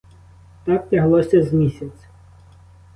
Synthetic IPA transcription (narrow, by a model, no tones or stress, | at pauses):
t̪ɑk̚tʲɐɦlˠɔsʲɐzmʲisʲɐt͡sʲ